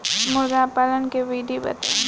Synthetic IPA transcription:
mʊɾd̪apalənkeʋiːɖibɐ̰t̪ː

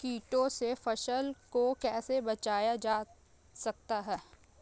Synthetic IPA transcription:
kiːʈõsefɐʃəlkokɛːsebɐt͡ʃaːjad͡ʒaː | sɐk̚t̪aɦɛː

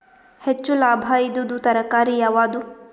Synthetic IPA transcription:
het͡ʃːulaːbʱaid̪ud̪ut̪ɐɾɐkaːɾijaʋaːd̪u

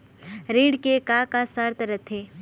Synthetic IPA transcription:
ɾiːɽkekaːkasaɾt̪əɾət̪ʰːeː

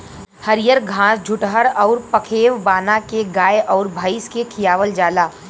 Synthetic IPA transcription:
həɾɪjəɾɡʱãːsd͡ʒʱʊʈɦəɾɔːɾpɐkʰeːʋbaːnakeɡaːeʔɔːɾbʱəːɪskekʰɪjaːʋəld͡ʒaːlaː

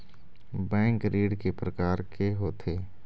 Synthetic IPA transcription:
bɛ̃ːŋkɾiːɖkepɾəkaːɾkeɦoːt̪ʰeː

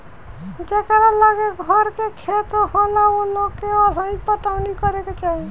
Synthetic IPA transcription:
d͡ʒekəɾalaɡeɡʱɔɾkekʰet̪holaonokeɔsaipət̪awnikɔɾek̪et͡ʃaɦi

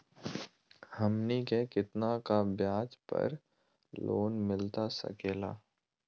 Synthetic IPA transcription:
həmnikekɪt̪nakabjaːd͡ʒpə̰ɾ | lo̰ːnmɪlt̪asə̰keːla̰ː

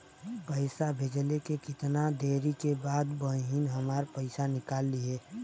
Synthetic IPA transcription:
pəɪsabʱed͡ʒlekekɪt̪nad̪eɾikebaːd̪bə̃ɦinɦəmaːɾpəɪsanɪkaːlːieː

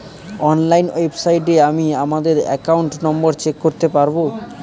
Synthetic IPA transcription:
ɔnlajnwebsajʈ̬eamiamad̪eɾɛ̰kauɳʈnɔmboɾt͡ɕekːoɾt̪epaɾbo

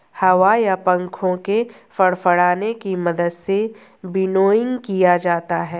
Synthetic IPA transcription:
hɐʋajapɐ̃ŋkʰõke | fɐɽfəɽaːnekimɐd̪əd̪se | bɪnoːɪ̃ŋɡkijad͡ʒaːt̪aɦɛː

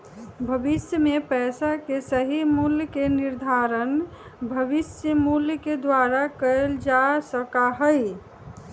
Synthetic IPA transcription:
bʱəbisjəmepɛsakesəɦimuljkeniɾd̪ʱaɾən | bʱəbisjəmuljəked̪waɾakəld͡ʒasəkaɦəj

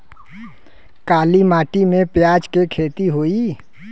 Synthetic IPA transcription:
kaːlimaːʈimẽpjaːd͡ʒkekʰeːt̪iɦoːi

